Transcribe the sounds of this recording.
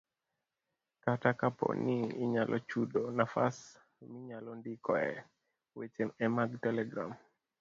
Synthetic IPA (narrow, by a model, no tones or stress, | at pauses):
katakapɔ̰niɪɲalʔɔ̰t͡ʃudonafa̰s | miɲalɔndikɔɛ̰ | wet͡ʃemɛmaɡtɛlɛɡɾa̰m